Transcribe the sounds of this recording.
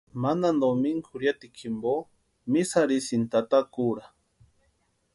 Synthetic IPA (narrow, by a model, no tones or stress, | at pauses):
manand̪omiŋkʰʊɾjat̪ikʰimbo | misaɾisint̪at̪akuɾa